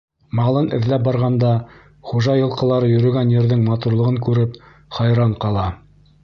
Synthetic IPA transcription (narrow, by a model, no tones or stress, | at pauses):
mɑlˠɤnɘ̆ðlæp̚bɑɾʁɑnd̪ɑ | χuʒɑjɤ̆lˠqɤ̆lˠɑɾɤjɵ̆ɾɵ̆ɡænjɘ̆ɾðɘŋmɑt̪uɾlˠɤ̆ʁɤŋkʉɾɘp | χɑjɾɑɴqɑlˠɑ